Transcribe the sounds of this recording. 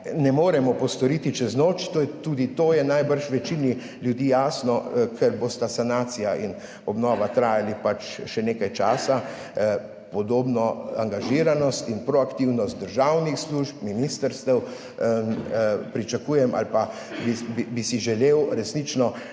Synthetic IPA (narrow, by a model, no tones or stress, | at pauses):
nɛmoːɾɛmɔpɔst̪ɔɾiːt̪it͡ʃɛznoːt͡ʃt̪ojɛt̪uːd̪it̪oːjɛnajbəɾʃʋɛt͡ʃini | ljud̪iːjaːsnɔkʰɛɾbost̪asanaːt̪sijaʔin | ɔbnɔːʋat̪ɾaːjalipat͡ʃʃɛneːkajt͡ʃaːsa | pɔd̪oːbnɔaŋɡaʒiːɾanɔst̪inpɾɔakt̪iwnɔst̪̚d̪əɾʒawnixsluʃp̚minist̪əɾst̪ɛw | pɾit͡ʃakuːjɛmʔa̰lpa | bibibisiʒɛleːwɾɛsnit͡ʃnɔ